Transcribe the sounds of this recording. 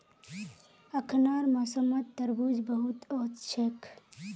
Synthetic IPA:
əkʰnaːɾmɐsəmːət̪ːəɾbud͡ʒbəɦut̪ɔːt̪t͡ʃʰekʰ

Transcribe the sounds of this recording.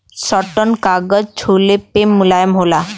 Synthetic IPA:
sɔʈɔnkaɡəd͡ʑt͡ʃʰulepemːulajəmɦola

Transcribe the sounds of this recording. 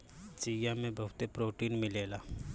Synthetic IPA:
t͡ʃijãmẽbɐɦʊt̪epɾoːʈiːnmɪleːlaː

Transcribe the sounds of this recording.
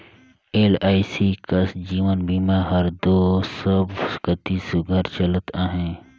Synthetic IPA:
eːlaːisikɐsd͡ʒiːʋənbiːmaɦəɾd̪oːsəbkət̪isʊɡʱəɾt͡ʃələt̪ãːɦɛ̃ː

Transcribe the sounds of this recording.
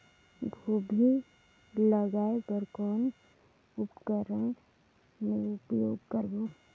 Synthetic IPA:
ɡʱuːbʱi | ləɡaːebəɾkɔːn | ʊpkəɾə | meɾʊpjoːɡkəɾboː

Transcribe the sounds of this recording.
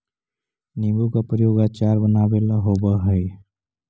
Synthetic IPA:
nibukapɾəjoːɡat͡ʃaɾbənaːbelaɦobəɦəj

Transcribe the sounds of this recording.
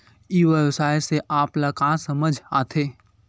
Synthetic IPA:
iːʋəwsaːjseʔaːplɐkasəməd͡ʒʱaːt̪ʰeː

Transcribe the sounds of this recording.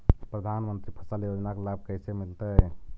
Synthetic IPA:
pɾəd̪ʱanmənt̪ɾipʰəsəljod͡ʒnakelab̚kəjsemilt̪əj

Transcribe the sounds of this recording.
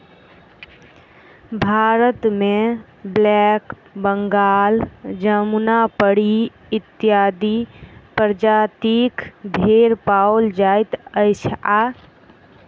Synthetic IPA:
bʱaːɾət̪mẽ | blɛːk | bəŋɡaːld͡ʒəmunapəɽi | ɪt̪ɪjaːd̪ipəɾd͡ʒaːt̪ikb̪ʱeːɾpaːʊld͡ʒaːɪt̪əɪsa

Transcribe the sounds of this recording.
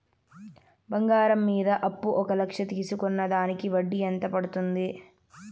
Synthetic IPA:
bɐŋɡaːɾɐmːiːd̪ɐʔɐpːuʔɔkɐlɐkʂɐt̪iːsukɔnːɐd̪aːnikiʋɐɖːiɐnt̪ɐpɐɽut̪und̪i

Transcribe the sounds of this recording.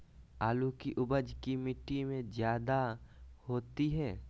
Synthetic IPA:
aːlukiʔʊbəd͡ʒkimɪʈːimẽzjaːd̪ahoːt̪iɦɛː

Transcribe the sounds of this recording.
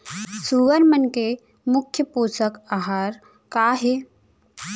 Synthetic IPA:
suːʋəɾmənke | mʊkʰːjəpuːsəkaːɦaːɾ | kaːɦeː

